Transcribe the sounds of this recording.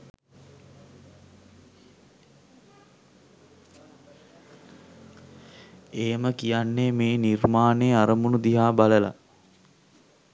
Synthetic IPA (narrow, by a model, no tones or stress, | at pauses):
eːməkijanːemeːnirmaːneːaɾəmunud̪iɦaːbaləla̰